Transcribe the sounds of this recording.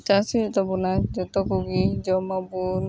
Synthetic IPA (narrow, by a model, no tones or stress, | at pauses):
t͡ʃasit̪ɔbunad͡ʒɔt̪ɔkuɡid͡ʒɔmɔbun